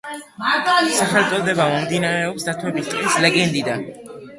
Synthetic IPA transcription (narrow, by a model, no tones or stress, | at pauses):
saχɛlt̪sʼɔd̪ɛbamɔmd̪inaɾɛɔpsd̪at̪ʰwɛbist̪ʼinislɛɡɛnd̪id̪an